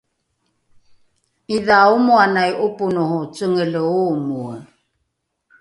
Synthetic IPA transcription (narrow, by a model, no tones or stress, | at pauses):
iðaomuanajʔopunohot͡səŋələomuə